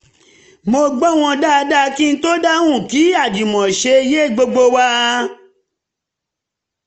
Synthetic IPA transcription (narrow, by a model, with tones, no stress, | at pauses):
mo˧ɡ͡bɔ˦˨w̃ɔ̃˧da˦˧da˦˧ki˦n̩˦to˦da˦wũ˦˨ki˨˦a˦˨d͡ʒi˨mɔ̃˨ʃe˧˦je˦˨ɡ͡bo˧ɡ͡bo˧wa˦